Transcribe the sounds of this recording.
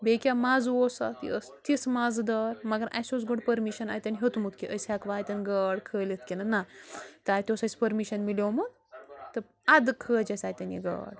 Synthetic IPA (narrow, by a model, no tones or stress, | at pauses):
bekʲamad͡zʋosa̰t̪ḭəst̪ismad͡zd̪əɾmɐɡɐɾʔa̰jsot͡sɡoɽpəɾmiʃəna̰jt̪ʲanɦet̪umut̪ʰkiʔəsakʋajt̪ʲanɡəɽkʰəlet̪ʰkʲenanat̪ajt̪ʲosɐsʲpəɾmiʃənmilomun | t̪ɐ | ad̪kʰəd͡ʒɐsaːjt̪ʲanḭɡə̰ɽ